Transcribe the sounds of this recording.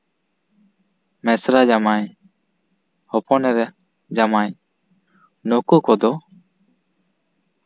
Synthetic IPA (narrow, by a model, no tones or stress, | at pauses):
mɛsɾad͡ʒamaɲ | hɔpɔnɛɾɛ | d͡ʒamaɲ | nɔkukɔd̪ɔ